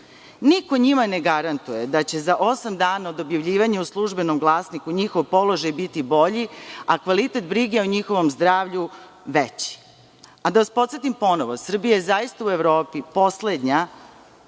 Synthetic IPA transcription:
niko̞ɲimaneɡaɾant̪ujed̪at͡ɕe̞zaʔo̞samd̪aːnaod̪objaʋʎiːʋaɲeuslˠuʒbe̞nomɡlˠaːsnikuɲixoʋpo̞lo̞ʒajbit̪ibo̞ʎiakʋalit̪et̪̚bɾiɡeoɲixo̞ʋo̞mzd̪ɾaːʋʎu | ʋet͡ɕi̥ | ad̪aʋaspo̞t̪set̪impo̞noʋosr̩bijajezajist̪aue̞ʋɾo̞ːpipo̞sled̪ɲa

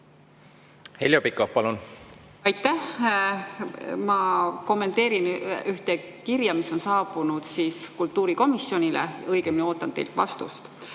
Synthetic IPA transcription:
heljopikːˑofpɑlun | ɑjt̪ːˑæh | mɑko̞mːe̞nt̪ːˑeːɾinyht̪e | kiɾjɑmiso̞nsɑːbunud̪siːskult̪ːˑuːɾiko̞misjo̞nʲilḛɤjɡ̥emineo̞ːt̪ːˑɑnt̪e̞̰lt̪vɑ̰st̪ṵst̪

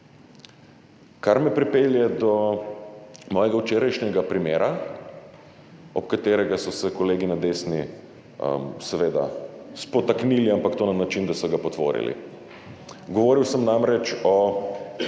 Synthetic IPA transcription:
kaɾmɛpɾipeljɛd̪ɔ | mɔːjɛɡawt͡ʃeːɾajʃɲʲɛɡapɾimeːɾa | ɔp̚kat̪eːɾɛɡasɔsɛkɔleːɡinad̪esni | ə̰msɛʋeːd̪a̰spɔt̪akniliampakt̪oːnanat͡ʃind̪asɔɡapɔt̪ʋo̰ːɾḭlḭ | ɡɔʋoːɾiwsəmnamɾɛt͡ʃɔ

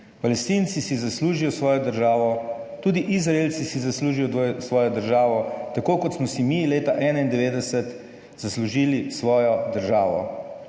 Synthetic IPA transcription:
palɛst̪iːnsisizasluːʒijɔsʋɔːjɔd̪əɾʒaːʋɔ | t̪uːd̪iʔizɾaelsisizasluːʒijɔsʋɔːjɔd̪əɾʒaːʋɔt̪akoːkɔt̪smɔsimileːt̪aʔɛːnaind̪ɛʋeːd̪ɛsɛt̪ | z̥asluʒiːlisʋɔːjɔd̪əɾʒaːʋɔ̰

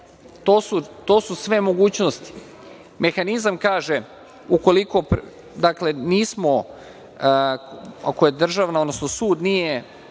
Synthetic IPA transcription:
t̪oːsut̪o̞ːsusʋe̞mo̞ɡuːt͡ɕnost̪i̥ | me̞xanizamkaːʒe | uko̞liko̞p | d̪akle̞niːsmo̞ | ako̞je̞d̪r̩ʒaʋnaod̪nosno̞suːd̪nije̞

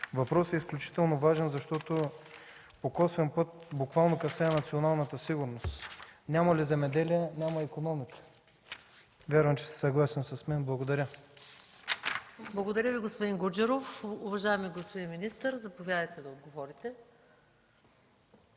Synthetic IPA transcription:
vɐpɾɔsɛisklʲut͡ʃi̥t̪ɛlˠnovaʒɛnzɐʃt̪ɔt̪o | pokɔsvɛnpɤt̪bukvalˠnokɐsɛnɐt̪sionalˠnət̪əsiɡuɾnost̪nʲamɐlizɛmɛd̪ɛliɛnʲamɐikonɔmikə̥ | vʲjaɾvɐmt͡ʃɛ̥sɛ̥sɐɡlˠasɛnsɐsmɛnblˠɐɡod̪ɐɾʲə | blˠɐɡod̪ɐɾʲəviɡospʊd̪iŋɡud͡ʒɛɾofʊvɐʒaɛmiɡospʊd̪inminist̪əɾzɐpovʲjad̪əjt̪ɛd̪ɐod̪̚ɡovɔɾit̪ɛ

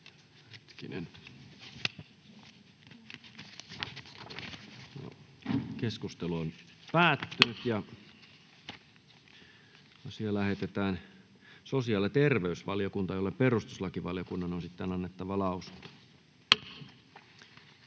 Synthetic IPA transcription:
het̪kinḛn | o̰keskust̪eluon | pæːt̪ːynyt̪jɑ | jɑsielæhet̪et̪æːn | sosiɑlːet̪erʋeysʋɑljokunt̪ɑjolːeperust̪uslɑkiʋɑljokunːɑnonsit̪ːenɑnːet̪ːɑʋɑlɑˑusu̥nt̪ɑ̥

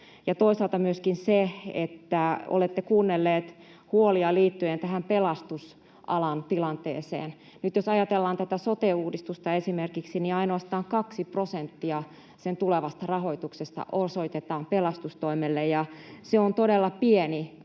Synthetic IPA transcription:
jɑt̪oisɑlt̪ɑmyøskinseḛt̪ːæo̰let̪ːekuːnːelːeːt̪ | huoliɑliːt̪ːyent̪æhæmpelɑst̪us | ʔɑ̰lɑnt̪ilɑnt̪ḛːsḛːn | nyt̪josɑjɑt̪elːɑːnt̪æt̪æsot̪euːdist̪ust̪ɑesimerkiksiniɑinoɑst̪ɑːŋkɑksiprosent̪ːiɑ | sent̪uleʋɑst̪ɑrɑho̞it̪uksest̪ɑ̰ʔosoit̪et̪ɑːmpelɑst̪ust̪oimelːejjɑseont̪odelːɑpieni

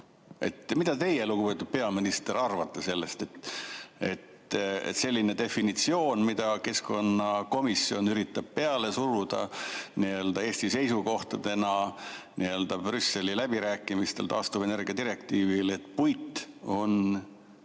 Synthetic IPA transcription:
e̞̰t̪mid̪̥ɑt̪e̞jelukupe̞t̪ːud̪̥̚pe̞ɑminist̪e̞ɾɑrvɑt̪ːese̞lːe̞st̪e̞t̪e̞t̪ | se̞lʲːine̞t̪e̞finit̪sio̞ːnmid̪̥ɑke̞sko̞nːɑko̞misːio̞nyɾit̪ːˑɑb̥̚pe̞ɑle̞suɾud̪̥ɑ̰niø̞ld̪ɑe̞ːsʲt̪ise̞jsuko̞ht̪ɑd̪e̞nɑ | nʔiø̞ld̪ɑbrysːe̞lilæb̥iɾæːkːˑimist̪e̞lt̪ɑːst̪ube̞ne̞rɡiɑd̪iɾe̞kt̪iːvile̞t̪ːˑpujt̪ːˑo̞n

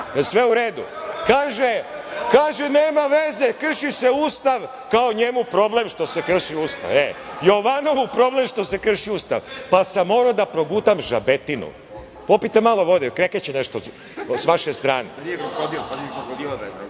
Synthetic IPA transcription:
sʋeuɾeːd̪ṵ | kaːʒekaːʒeneːmaʋezekr̩ʃise̞uːst̪aʋ | kaoɲemupɾo̞blemʃt̪o̞sekr̩ʃiuːst̪a̰ʋejoʋano̞ʋupɾo̞ble̞mʃt̪o̞se̞kr̩ʃiuːst̪a̰ʋpasamːoːɾod̪apɾo̞ɡuːt̪amʒabe̞t̪inṵ | popit̪emalo̞ʋo̞d̪ekɾeket͡ɕeneʃt̪o | sʋaʃest̪ɾa̰ːnḛod̪jlazil

